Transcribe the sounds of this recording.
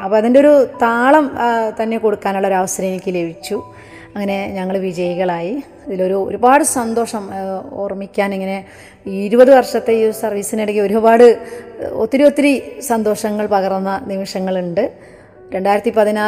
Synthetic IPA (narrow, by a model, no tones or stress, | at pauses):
ɐpːoːɐðindeo̞ɾut̪aːɭɐmt̪ɐnːe̞koɽukːaːnuɭːɐoɾɐʋɐsɐɾɐmilikʲːɨle̞bit͡ɕːu | ɐŋːɐne̞ɲɐŋːɐɭʋid͡ʑɐjɐɣɐɭaːji | ɐðilo̞ɾuo̰ɾubaːɽɨsɐnd̪o̞ːʂɐmo̰ːrmikʲːaːniŋːɐne̞ | iɾubɐðɨʋɐrʂɐt̪ːe̞sɐrʋiːsineɽɐkːioɾubaːɽɨot̪ːiɾio̞t̪ːiɾisɐnd̪o̞ːʂɐŋːɐɭpɐɣɐrnːɐnimɐʂɐŋːɐɭuɳɖɨ | ɾe̞ɳɖaːjiɾɐt̪ːipɐðina